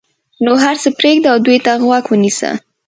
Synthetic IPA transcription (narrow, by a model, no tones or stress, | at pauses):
noɦaɾt͡səpɾeɡ̚d̪aawd̪ujt̪aɣwakwənisə̰